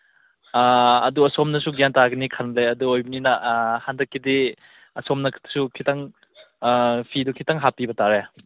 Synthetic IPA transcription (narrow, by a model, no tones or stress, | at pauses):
ɐ̰duɐsɔmnɐsuɡjantaɡɐnikʰanleɐduojbɐninahandɐkːidi | ɐsɔmnɐkʰtsukʰitaŋ | pʰidukʰitaŋɦapibɐtaɾea